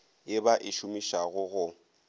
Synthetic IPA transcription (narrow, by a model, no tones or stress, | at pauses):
jɪbaʔɪʃumiʃaɣʊɣʊ